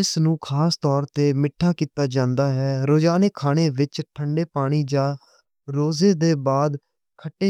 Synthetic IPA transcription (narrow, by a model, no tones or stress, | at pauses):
ɪsnũːkʰaːst̪ɔːɾt̪eːmɪʈʰːaːkiːt̪aːd͡ʒãːnd̪aːɦɛːɾoːd͡ʒaːneːkʰaːɽ̃eːʋɪt͡ʃʈʰəɳɖeːpaːɽ̃iːd͡ʒãː | ɾoːzeːd̪eːbaːd̪ | kʰəʈːeː